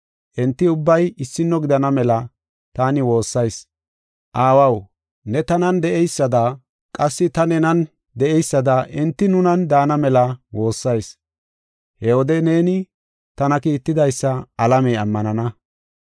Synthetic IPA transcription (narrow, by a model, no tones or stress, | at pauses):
ʔɛnt̪ːɪʊbːɐjɪsːɪnːɔɡɪd̪ɐnɐmɛlɐ | t̪aːnɪwo̞ːsːɐjs | ʔaːwɐw | nɛt̪ɐnɐnd̪ɛʔɛjsːɐd̪ɐ | kʼɐsːɪt̪ɐnɛnɐn | d̪ɛʔɛjsːɐd̪ɐʔɪnt̪ːɪnʊnɐnd̪aːnɐmɛlɐwo̞ːsːɐjs | hɛwɔd̪ɛne̞ːnɪ | t̪ɐnɐkiːt̪ːɪd̪ɐjsːɐɐlɐmɛɐmːɐnɐnɐ